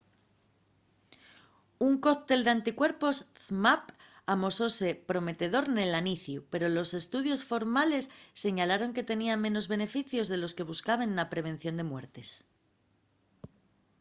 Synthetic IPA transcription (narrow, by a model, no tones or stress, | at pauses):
uŋko̞k̚t̪e̞ld̪eant̪ikwe̞ɾpo̞sθmap | amo̞so̞se̞pɾo̞me̞t̪e̞ðo̞ɾne̞laniθjupe̞ɾo̞lo̞se̞st̪uðjo̞sfo̞ɾmale̞sːe̞ɲalaɾo̞ŋke̞t̪e̞niamẽ̞no̞zβe̞ne̞fiθjo̞zðe̞lo̞ske̞β̞uskaβ̞ennapɾe̞β̞e̞nθjo̞nd̪e̞mwe̞ɾt̪e̞s